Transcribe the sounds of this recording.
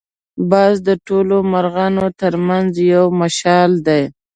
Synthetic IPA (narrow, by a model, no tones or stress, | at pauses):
bɑzd̪əʈolomaɾɣɑnot̪əɾmanzjawmaʃɑld̪aj